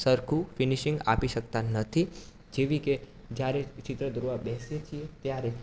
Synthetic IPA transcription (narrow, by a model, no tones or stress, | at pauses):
səɾkʰufɪniʃĩŋɡa̰piʃəkt̪anət̪ʰi | d͡ʒeʋike | d͡ʒjaɾet͡ʃɪt̪ɾəd̪uɾʋabɛɦsjet͡ʃʰiet̪jaɾe